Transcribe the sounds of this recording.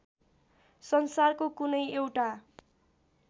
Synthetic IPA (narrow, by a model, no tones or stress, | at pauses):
sʌnsarkokunʌjewʈa